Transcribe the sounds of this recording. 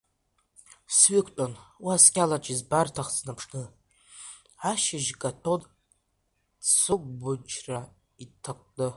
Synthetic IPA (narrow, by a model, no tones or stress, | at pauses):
sɥikʷʰʼtʼanwiaskʲʼalat͡ʃʼizbartʰaχt͡snapʰʂnɨ | aʃɪʒkʼatʰodʼ | t͡sʰɨɡʷbʊt͡ʃʰra | itʰaqʷʼdʼɨ